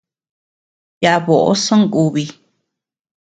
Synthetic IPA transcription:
ja˧ʔβo˨ʔo̰˦sõ˦ŋ˦u˧βi˧

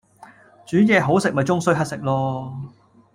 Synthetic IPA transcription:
t͡ʃyː˨˥jɛː˨˧ɦo˨˥wsɪ˨k̚mɐ˨˩jt͡sʊ˥ŋsɵ˥ɥɦɐ˥t̚sɪ˨k̚lɔː˧

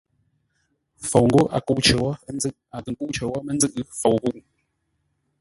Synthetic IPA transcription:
fo˨wŋ̩˦ɡo˦ʔa̰˨ku˦˨ʔt͡ʃə˨wɔ˦n˦d͡zɨ˦˨ʔa˨tə˨ŋku˦ʔt͡ʃə˨wɔ˦mə˦n̩˦d͡zɨ˦ʔfo˨wɣu˦ʔ

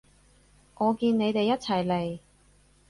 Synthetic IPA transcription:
ŋɔː˨˧kiː˧nne˨˧jt̪e˨jːɐ˥t̚t͡sʰɐ˨˩jle˨˩j

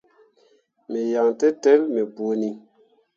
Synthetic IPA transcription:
mi˨ja˨ŋtɛ˦tɛ˦lme˨bo˨ni˨

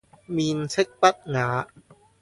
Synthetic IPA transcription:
miː˧nsʰe˦˥k̚pa˦˩t̪̚ŋaː˩˦

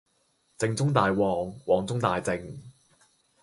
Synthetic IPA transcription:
t͡sɪ˧ŋt͡sʊ˥ŋt̪aː˨jwɔː˨˩ŋwɔː˨ŋt͡sʊ˥ŋt̪aː˨jt͡sɪ˧ŋ

